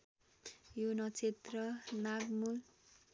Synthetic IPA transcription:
jonʌt͡sʰet̪rʌnaɡmul

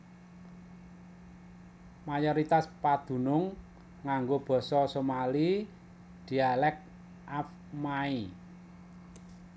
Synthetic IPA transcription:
majɔɾit̪aspad̪̥ṳnʊŋː | aŋɡob̥ɔ̤sɔsomali | d̪̥i̤alɛk̚ | ʔaf | mai

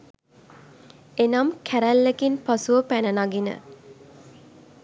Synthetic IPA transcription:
enamkʰæɾælːekinpasuʋəpænənaɡinə̰

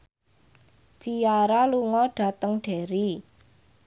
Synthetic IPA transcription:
t͡ʃijaɾaluŋɔɖ̥a̤t̪əŋɖ̥e̤ɾi

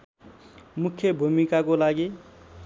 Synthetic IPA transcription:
mukʰjebʱumikakolaɡi

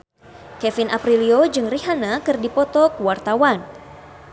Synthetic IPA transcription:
kɛfinʔapɾiliod͡ʒɨŋriɦanakɨrdipɔt̪ɔkwart̪awan

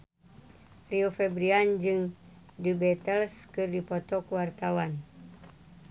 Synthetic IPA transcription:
riofɛbɾiand͡ʒɨŋ | dubɛt̪əlskɨrdipɔt̪ɔkuwart̪awan

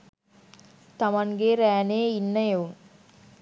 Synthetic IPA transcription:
t̪amaŋɡeɾæːneinːəjeun

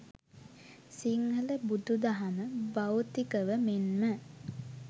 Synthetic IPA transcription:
siŋhələbud̪ud̪aɦaməbawt̪ikəʋəmenmə

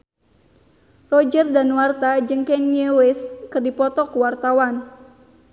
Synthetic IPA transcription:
rɔd͡ʒərdanwart̪ad͡ʒəŋkɛnewɛskərdipɔt̪ɔkəwart̪awan

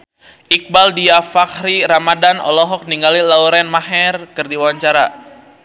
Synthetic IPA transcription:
ʔik̚baldiafakɾiɾamadanɔ̰lɔɦɔk̚niŋɡalilauɾɛnmaɦɛrkɨrdiwaɲt͡ʃaɾa

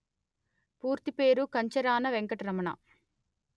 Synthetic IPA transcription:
puːɾt̪ipeːɾukɐɲt͡ʃɐɾaːnɐʋeŋkɐʈiɾɐmɐɳɐ̰

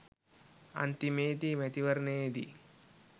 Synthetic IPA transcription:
a̰nt̪imeːd̪imæt̪iʋɐɾəneːd̪ḭ

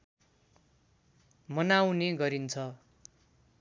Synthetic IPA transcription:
mʌnawneɡʌɾint͡sʰʌ

